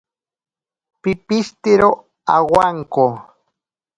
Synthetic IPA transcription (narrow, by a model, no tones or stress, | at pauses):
pɪpɪʃt̪ɪɾo | awaŋko